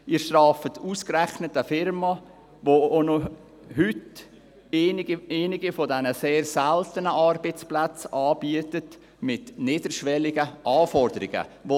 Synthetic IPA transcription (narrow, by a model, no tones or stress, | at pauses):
iːɾʃtrɑːfətʰuːskɾɛχnətəfɪɾmɑ | voono | hʏtː | eːnɪɡifɔdɛnəseːrsɛltənəʔɑrbət͡splat͡sɑːb̥iətət | mɪtnɪːdəɾʃʋɛlɪɡəʔɑːfɔɾdəɾɪɡə̰ʋo